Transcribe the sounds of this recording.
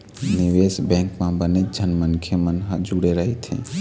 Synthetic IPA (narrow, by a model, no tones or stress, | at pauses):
nɪʋeːsbɛ̃ŋkmãbəned͡ʒʱənmənkʰemənɦəd͡ʒuɽeɾəɦet̪ʰḛ̃